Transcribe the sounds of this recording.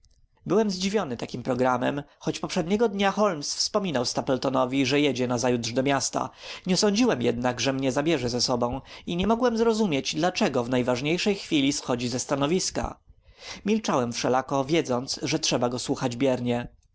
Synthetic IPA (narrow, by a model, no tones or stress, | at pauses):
bɘwɛmzd͡ʑivʲjɔnɘt̪akʲimpɾɔɡɾamɛ̰mxɔt͡ɕpɔpʂɛd̪ɲɛɡɔd̪ɲaxɔlmsfspɔmʲinawst̪apɛlt̪ɔnɔvʲiʐɛjɛd͡ʑɛnazajudʐd̪ɔmʲjast̪a̰ɲɛsɔɲd͡ʑiwɛmjɛd̪naɡʐɛmɲɛzabʲjɛʐɛzɛsɔbɔ̃w̃iɲɛmɔɡwɛmzɾɔzumʲjet͡ɕd̪lat͡ʂɛɡɔvnajvaʐɲejʂɛjxfʲilʲisxɔd͡ʑizɛst̪anɔvʲiska̰ | mʲilt͡ʂawɛmfʂɛlakɔvʲjɛd̪zɔnt̪sʐɛtʂɛbaɡɔswuxad͡ʑbʲjɛɾɲɛ